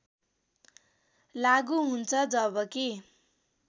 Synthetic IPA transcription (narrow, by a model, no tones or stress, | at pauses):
laɡuɦunt͡sʰʌd͡zʌbʌke